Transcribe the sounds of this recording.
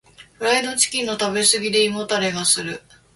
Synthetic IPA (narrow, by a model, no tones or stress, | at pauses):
ɸɯɾaid̪o̞t͡ɕi̥kʲĩnːot̪abe̞sɨɡʲid̪e̞imo̞t̪aɾe̞ɡasɨɾɯ̟